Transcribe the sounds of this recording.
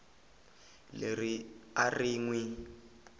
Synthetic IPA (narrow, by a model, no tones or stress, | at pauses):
leɾiariːŋwi